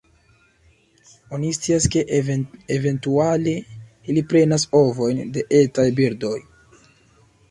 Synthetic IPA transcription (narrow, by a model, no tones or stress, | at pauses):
o̞nist͡siaske̞ʔeve̞ntuale | ilipɾe̞naso̞vo̞jnde̞ʔe̞tajbiɾdo̞j